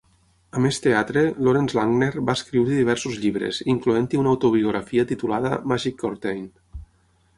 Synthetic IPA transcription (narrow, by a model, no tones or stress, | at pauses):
əmest̪eat̪ɾeloɾenzlaŋneɾbaeskɾiwɾiðiβ̞ɛɾsuzʎiβɾḛziŋkluent̪iunaawt̪oβioɣɾafiət̪it̪ulaðə̰maʒikːoɾt̪ejn